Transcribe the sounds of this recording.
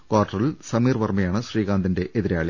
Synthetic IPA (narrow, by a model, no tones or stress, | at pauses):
kaːrʈːɐrilsɐmiːrʋɐrmɐjaːɳɨɕriːɣaːnd̪inde̞ʔeðiɾaːɭi